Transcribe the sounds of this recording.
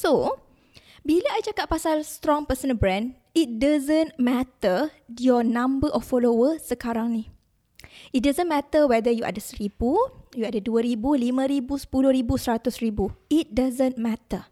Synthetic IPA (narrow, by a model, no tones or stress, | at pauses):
so | bilaajt͡ʃakat̪̚pasalst̪ɾɔŋpəsə̃nbɾɛ̃n | it̚dazənmɛt̪əjɔnãmbəʔɔfːɔlowəsəkaɾaŋnih | it̚dazə̃nmɛt̪əwɛdəjuʔa̰dasəɾibujuadaduəɾibulimãɾibusə̥pulʊhɾibusəɾat̪ʊsribuit̚dazə̃nmɛt̪ə